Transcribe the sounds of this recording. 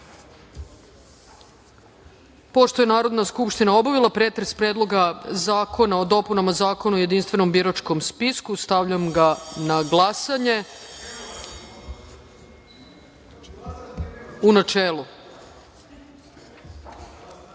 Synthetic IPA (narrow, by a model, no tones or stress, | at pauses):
po̞ʃt̪o̞jenaːɾo̞d̪naskupʃt̪inao̞baʋilˠapɾe̞ːt̪ɾe̞spɾe̞ːd̪lˠo̞ɡazaːkʰo̞nao̞d̪o̞punamazaːko̞nuoje̞d̪inst̪vʋe̞no̞mbiɾat͡ʃko̞mspiskust̪aʋʎamɡanaɡlˠasaɲe̞ | unat͡ʃeːlu